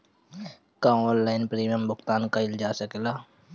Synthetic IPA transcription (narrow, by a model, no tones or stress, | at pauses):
kãoːllajnpɾiːmijəmbʊkt̪aːnkaɪld͡ʒaːsəkela